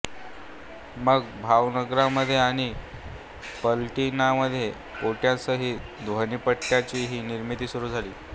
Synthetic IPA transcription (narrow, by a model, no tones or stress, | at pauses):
məɡbʱaʋnəɡɾaməd̪ʱːjeaɽ̃i | pəlʈinaməd̪ʱːje | oʈjãt͡səɦiː | d̪ʋəniːpəɽʈjat͡ɕiːɦiːniɾmit̪iːsuɾuːd͡zʱaliː